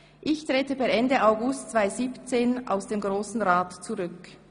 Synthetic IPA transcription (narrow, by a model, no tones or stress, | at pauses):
ʔɪçtʁ̥eːtəbɛɛndəaʊɡʊstt͡sv̥aɪziːpt͡seːnʔa̰ʊsd̥eːmɡʁoːsn̩ʁaːtt͡suʁʏk